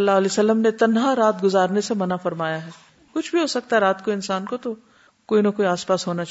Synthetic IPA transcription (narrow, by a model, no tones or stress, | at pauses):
ɐlːaːɦɐleːsɐlːəmnet̪ɐnɦaɾaːt̪ɡʊzaːɾnesemɐnafɐɾmaːjaɦɛː | kʊt͡ʃʰbʱiɦoːsɐk̚t̪aɦɛɾaːt̪koɪnsaːnkot̪o | koːinɐkoːiaːspaːsɦoːnat͡ʃː